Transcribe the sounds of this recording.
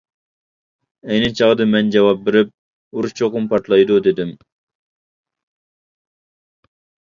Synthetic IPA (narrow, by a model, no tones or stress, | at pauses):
ɛjnɪt͡ʃʰɑʁd̪ɨmɛnd͡ʒɛwɑp̚beɾɪp̚ | uɾuʃt͡ʃʰoqʊmpɑɾt̪lˠɑjd̪ud̪ed̪ɪm